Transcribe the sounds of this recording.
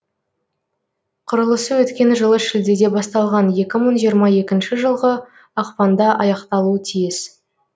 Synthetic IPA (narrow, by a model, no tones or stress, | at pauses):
qʰʊɾəlˠəsəwɵt̪kʲe̞nʒəlˠəʃɪld̪e̞d̪e̞bɑst̪ɑlˠʁɑnje̞kʲɪməɴʒijəɾmɑje̞kʲɪnʃɪʒəlˠʁə | ɑqpɑnd̪ɑʔɑjɑqt̪ɑlˠuət̪ʰijɪs